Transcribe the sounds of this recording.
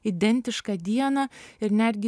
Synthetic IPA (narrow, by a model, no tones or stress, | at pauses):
ɪd̪ɛnt̪ɪʃkɑd̪ʲiɛnɐɪɾnæɾʲɡʲɪ